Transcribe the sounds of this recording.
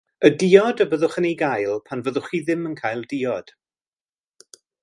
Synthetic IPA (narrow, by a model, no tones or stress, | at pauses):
ədiːɔdəbəðʊχənejɡajlˠpʰanvəðʊχiðɪmənkʰaːjlˠdɪːɔd̥